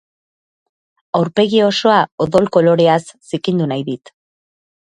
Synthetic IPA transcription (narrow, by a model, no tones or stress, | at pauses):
awɾpe̞ɣio̞so̞ao̞ðo̞lko̞lo̞ɾe̞asːikind̪unajðit̪